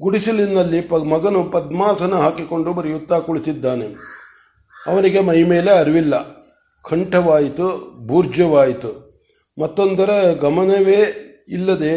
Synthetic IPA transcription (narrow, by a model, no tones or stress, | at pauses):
ɡuɽisilinːɐlːipɐmɐɡɐnupɐd̪maːsɐnuɦaːkiko̞ɳɖubɐɾijut̪ːakuɭisid̪ːaːne̞ | ɐʋɐniɡemɐjmeːle̞ɐɾʋilːɐ | kʰɐɳʈɐʋaːjit̪ubʱuːɾd͡ʒjɐʋaːjit̪u | mɐt̪ːo̞nd̪ɐɾeɡɐmɐnɐʋeː | ilːɐd̪e̞